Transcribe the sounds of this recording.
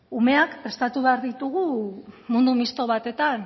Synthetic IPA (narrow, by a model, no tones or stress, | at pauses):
ume̞akpɾe̞st̪at̪uβe̞aɾðit̪uɣumund̪umist̪o̞β̞at̪e̞t̪an